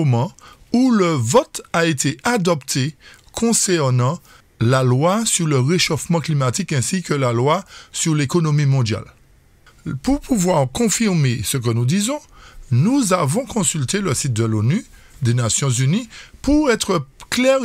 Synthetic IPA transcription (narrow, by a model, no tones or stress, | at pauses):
omɑ̃uləvɔt̪aet̪ʰeʔad̪ɔpt̪ʰe | kʰɔ̃sɛʁnɑ̃ | lalwasyʁləʁeʃofmɑ̃klimat̪ikɛ̃sikəlalwasyʁlekonomimɔ̃d̪ja̰l | puʁpʰuvwaʁkɔ̃fiʁmesək̬ənud̪izɔ̃nuzavɔ̃kʰɔ̃sylt̪eləsit̪̚d̪əlony | d̪enasjɔ̃zynipuʁɛt̪χəklɛʁ